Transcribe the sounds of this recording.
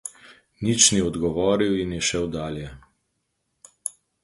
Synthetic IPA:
nit͡ʃniɔd̪ɡɔʋɔːɾiwinjɛʃɛwd̪aːljɛ

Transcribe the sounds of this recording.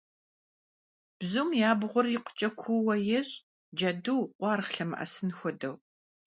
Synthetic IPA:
b̥zumjaːbʁʷʊrjɪqʷʊ̥t͡ʃʼɐkʷʰuwɐjɛɕʼ | d͡ʒɐduwʔʷɑːɾχɬɐmɨ̰ʔɐ̰sɨnxʷɔdɐw

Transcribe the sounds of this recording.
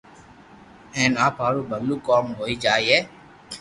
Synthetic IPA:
ɛ̃ːnaːpaːɾuːbəd̪luːkɔːmɦoːiːd͡ʒaːieː

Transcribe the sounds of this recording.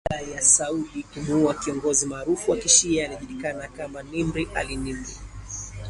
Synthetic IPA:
ajasauɗikumuuakiɔŋɡɔzimaːɾufuwakiʃiaːliʄulikanakamanimbɾiʔa̰linimɾi

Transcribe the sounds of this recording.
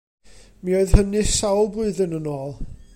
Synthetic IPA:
mioɨð̥hənɨsawlˠblʊɨðənənoːlˠ

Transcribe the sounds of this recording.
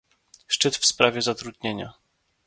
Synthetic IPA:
ʂt͡ʂɘt̪fspɾavʲɛzat̪ɾud̪̚ɲeɲa̰

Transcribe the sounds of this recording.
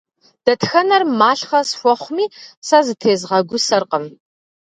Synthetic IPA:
d̥ɐtʰxɐnɐrmaːɬχɐsxʷɔχʷmiːsɐzɨtʰeːzʁɐɡʷʊsɐrqʼəm

